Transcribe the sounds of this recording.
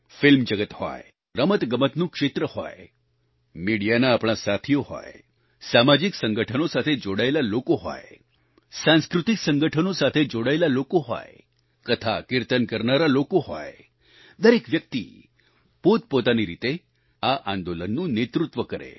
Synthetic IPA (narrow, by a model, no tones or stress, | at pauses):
fɪlmd͡ʒəɡət̪hɔ̰j | ɾəmət̪ɡəmət̪nũkʂet̪ɾəhɔ̰j | miɽijanaːpɳ̃asat̪ʰijohɔ̰j | samad͡ʒiksəŋɡəʈʰənosat̪ʰed͡ʒoɽaelalokoɦɔ̰j | sãnskɾut̪iksəŋɡəʈʰənosat̪ʰed͡ʒoɽaelalokoɦɔ̰j | kət̪ʰa̰kɪɾt̪ənkəɾnaɾalokoɦɔ̰j | d̪əɾekʋjək̚t̪ḭ | pot̪̚pot̪aniɾit̪e | aʔãnd̪olənːũnet̪ɾut̪ʋəkəɾḛ